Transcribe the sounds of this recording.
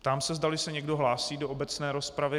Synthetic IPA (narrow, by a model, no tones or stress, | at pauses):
pt̪aːmsɛzdalɪsɛɲɛɡdo̞ɦlaːsiːdoʔobɛt͡snɛːɾo̞spɾavɪ